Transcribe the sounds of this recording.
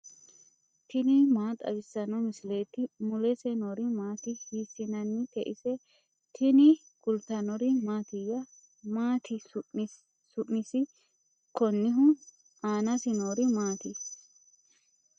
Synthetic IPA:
t̪ʰɪnɪmaːt̪ʼɐ̰bɪsːɐnɔmɪsleːt̪ɪmʊlɛsɛnoɾɪmaːt̪ɪhiːsːɪnɐnːɪk̪ɛʔɪsɛ | t̪ʰɪnɪ | ɡ̥ʊlt̪ɐnɔɾɪmaːt̪ɪjɐ | maːt̪ʰɪ | sʊʔnɪsɪ | kɔnːɪɦʊ | aːnɐsɪnoːɾɪmaːt̪ɪ

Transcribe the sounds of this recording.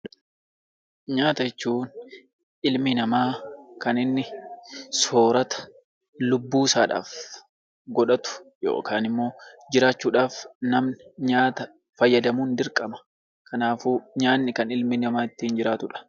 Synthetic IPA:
ɲaːt̪ɐjɛt͡ʃːuːn | ʔɪlmɪnɐmaːkɐnɪnːɪso̞ːɾɐt̪ɐ̥ | lʊbːuːsa̰ːᶑa̰ːf | ɡɔᶑɐt̪ʊ̥jo̰ːkaːnɪmːo̞ːd͡ʒɪɾaːt͡ʃːuːᶑaːfnɐmnɲaːt̪ɐ | fɐjːɐd̪ɐmuːnd̪ɪɾkʼːɐmɐ̥ | kʰɐnaːfuːɲaːnːɪkɐnɪlmɪnɐmaːɪt̪ːiːnd͡ʒɪɾaːt̪ʊᶑɐ̥

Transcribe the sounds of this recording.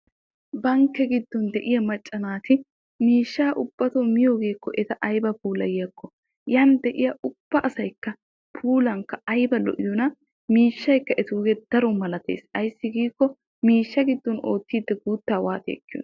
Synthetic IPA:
bɐŋkːɛɡɪd̪ːɔnd̪ɛʔɪjɐmɐt͡ʃʼːɐnaːt̪ɪ | miːʃːaːʔʊb̥ːɐt̪omɪjoːɡe̞ːkːɔʔɛt̪ɐʔɐjbɐpuːlɐjɐkːɔ | jɐnd̪ɛʔɪjɐʔʊb̥ːɐʔɐsɐjkːɐ | pʰuːlɐŋkːɐɐjbɐlɔ̰ʔɪjɔnɐ | miːʃːɐjkːɐʔɛt̪oːɡɛd̪̥ɐɾɔmɐlɐt̪ḛːsɐjsːɪɡiːkːɔ | miːʃːɐɡɪd̪ːɔno̞ːt̪ːiːd̪ːɛɡuːt̪ːaːwaːt̪ḛːkːɪjo̰

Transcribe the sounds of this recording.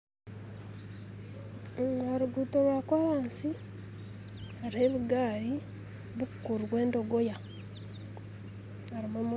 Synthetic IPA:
ŋaɾuɡuːtoɾwaːkwaɾaːnsi | haɾiheβiɡaːɾi | βukukuɾiβwe̞ːndo̞ɡoja | aɾiβoːm

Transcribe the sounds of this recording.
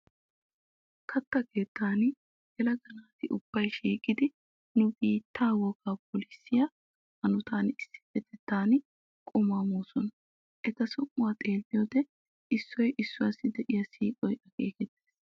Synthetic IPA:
kʰɐt̪ːɐke̞ːt̪ːaːn | ɡɛlɐɡɐnaːt̪ɪʔʊb̥ːɐjʃiːkʼɪd̪ɪ | nʊbiːt̪ːaːwɔkaːpɔlɪsːɪjɐ | hɐnʊt̪aːnɪsːɪ̥fɛt̪ːɛt̪ːaːnɪ | kʼʊmaːmoːsɔnɐ | ʔɛt̪ɐsʊmːʊwaːt̪ʼe̞ːlːɪjoːd̪ɛ | ʔɪsːɔjʔɪsːʊwasːɪd̪ɛʔɪjɐsiːkʼɔjɐɡeːkɛt̪ːeːs

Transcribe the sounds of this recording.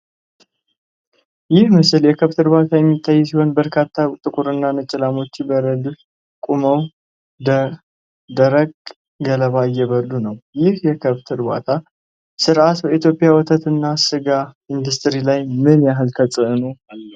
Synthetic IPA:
jɪhmɨsɨljɛkʰəβt̪ʰɨɾbat̪ʰajɛmːit̪ʰːajːsiho̞nbəɾkʰat̪ʰːat̪ʼɨkʼuɾɨnːanət͡ʃʼɪlamo̞t͡ʃːbəɾəd̪ɨf | kʼuməw | d̪ə | d̪əɾəɡ | ɡələβajːɛβəd̪unəwjɪhjɛkʰəβt̪ʰɨɾba̰t̪ʰa | sɨɾʔat̪bəit̪ʰjo̞pʼjawɔt̪ʰət̪ɨnːasɨɡa | ind̪ust̪ɨɾilajmɨnjaɦɨlt̪ʰət͡sʼɨʔɨno

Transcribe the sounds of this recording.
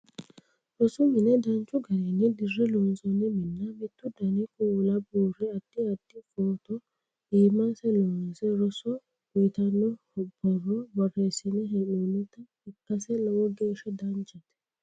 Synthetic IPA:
ɾɔsʊmɪnɛd̪ɐnt͡ʃːʊɡɐɾeːnːɪd̪ɪrːɛloːnsɔnːɪmɪnːɐmɪt̪ːʊd̪ɐnɪkʼuːlɐbuːrːɛɐd̪̥ːɪɐd̪̥ːɪfoːt̪ɔ | ʔiːmasɛloːnsɛɾɔsɔ | wɔjt̪ɐnːɔhɔb̥ɔrːɔbɐrːeːsɪnɛɦɛnuːnɪt̪ɐ | ɪkːɐsɛlɐwɔɡeːʃɛd̪ɐnt͡ʃɛt̪ɛ̥

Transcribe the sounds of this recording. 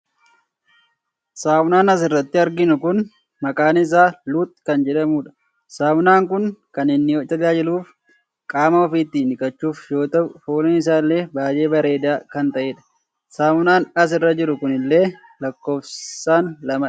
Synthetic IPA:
saːwʊnaːnɐs̬ɪrːɐt̪ːɪɐɾɡɪnʊkʊn | mɐkʼaːnɪs̬aːluːt̪̚ʼːkɐnd͡ʒɛᶑɐmuːᶑɐ̥ | saːmʊnaːŋkʊŋkɐnɪnːɪɔɐlaːd͡ʒɪluːf | kʼaːmɐɔfiːt̪ːiːnɪkʼɐt͡ʃːuːfjo̞ːt̪ɐʊfoːlɛnɪs̬aːlːe̞ːbaːje̞ːbɐɾe̞ːd̪aːkɐnt̪ɐʔeːᶑɐ̥ | saːmʊnaːnɐs̬ɪrːɐd͡ʒɪɾʊkʊnɪlːe̞ː | lɐkːo̞ːfsaːnlɐmɐ

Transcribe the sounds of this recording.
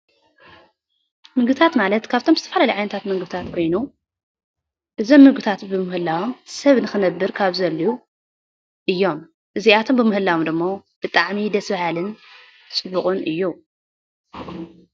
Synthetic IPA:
mɨɡɨt̪ʰat̪malɐt̪kʰaβt̪ʰo̞mzɨt̪ʰɐfalalɐjʕajnɐt̪ʰat̪mɐŋɡɨbt̪ʰat̪kʰo̞jnu | ʔɨzomːɨɡɨt̪ʰat̪bɨmɨhɨlːawomsɐβnɨxɨnɐbːɨɾkʰaβzɐlːiu | ʔɨjːo̞m | ʔɨziat̪ʰo̞mbɨmɨhɨlːawomd̪ɨmːob̥ɨt̪ʼaʕmid̪ɐsbahalɨn | sʼɨbːuχʼunʔɨjːu

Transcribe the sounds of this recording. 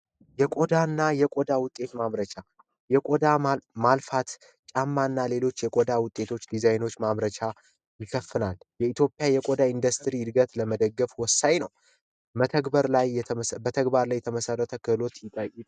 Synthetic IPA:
jɛkʼod̪anːajɛkʼod̪awʊt̪ʼːe̞t̪maβɾət͡ʃʰa | jɛkʼod̪amalfat̪ | t͡ʃʼamːanːale̞lo̞t͡ʃːjɛkʼod̪awʊt̪ʼːe̞t̪ʰo̞t͡ʃːd̪izajno̞t͡ʃːmaβɾət͡ʃʰʼa | jɪkʰəfːɨnaljɛit̪ʰjopʼjajɛkʼod̪aind̪əst̪ʰɾid̪ɡət̪ləməd̪əɡːəfwɔsːajnəw | bət̪ʰəɡbəɾlajbət̪ʰəɡbaɾlajːɛt̪ʰəməsərːət̪ʰəkʰɨlo̞t̪jɪt̪ʼajɪ

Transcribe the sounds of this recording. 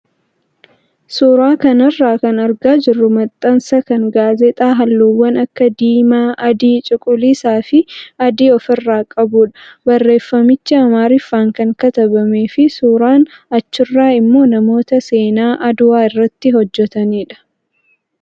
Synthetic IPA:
suːɾaːkɐnɐrːaːkɐnɐɾɡaːd͡ʒɪrːʊmɐt̪ʼːɐnsɐkɐŋɡaːzɛt̪ʼaːɦɐlːuːwːɐnɐkːɐd̪iːmaːɐd̪iːt͡ʃʼɪkʼʊliːsaːfɪɐd̪iːɔfɪrːaːkʼɐbuːᶑɐ̥bɐrːe̞ːfːɐmɪt͡ʃːɐɐmaːɾɪfːaːŋkɐŋkɐt̪ɐbɐme̞ːfɪsuːɾaːnɐt͡ʃːɪrːaːɪmːo̞ːnɐmo̞ːt̪ɐse̞ːnaːʔɐd̪ʊwaːɪrːɐt̪ːɪɦɔd͡ʒːɛt̪ɐniːᶑɐ̥

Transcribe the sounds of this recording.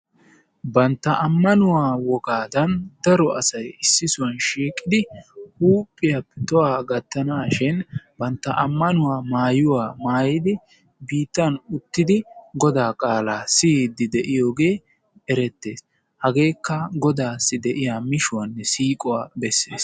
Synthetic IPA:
bɐnt̪ːɐʔɐmːɐnʊwaːwɔɡaːd̪ɐnd̪ɐɾɔʔɐ̰sɐjɪsːɪsʊwɐnʃiːkʼːɪd̪ɪhuːpʼːɪjapːɛt̪ɔwaːɡɐt̪ːɐnaːʃɪnbɐnt̪ːɐʔɐmːɐnʊwaːmaːjʊwaːmaːjɪd̪ɪ | biːt̪ːɐnʊt̪ːɪd̪ɪɡɔd̪aːkʼaːlaːsid̪ɪd̪ɛʔɪjo̞ːɡe̞ː | ɛɾɛt̪ːe̞̰ːs | hɐɡe̞ːkːɐɡɔd̪aːsːɪd̪ɛʔɪjaːmɪʃʊwɐnːɛsiːkʼɔwaːbɛsːḛːs

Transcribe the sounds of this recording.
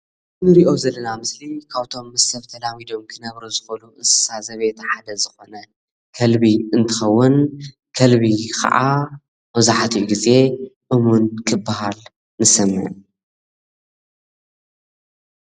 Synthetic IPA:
ɨnɨɾiʔo̞zɐlːɐnamɨslikʰaβt̪ʰo̞mːɐsɐβt̪ʰɐlawid̪o̞mkʰɨnɐβɾuzɨxɐluʔɨsɨ̥sazɐβet̪ʰħad̪ɐzɨxo̞nɐ | kʰɐlbiɨnt̪ʰɨxɐwːʊn | kʰɐlβikʰɐ̰ʔa̰ | mɐzaħat̪ʰijuɡize̞ʔɨmunkʰɨbːahal | nɨsɐmʕɨn

